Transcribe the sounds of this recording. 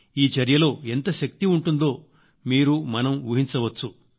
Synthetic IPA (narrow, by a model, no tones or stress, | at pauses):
iːd͡ʒɐɾjɐlo̞ːe̞nt̪ɐʃɐk̚t̪iuɳʈund̪o̞ː | miːɾumɐnɐmʋuɦint͡ʃɐʋɐt͡ʃːu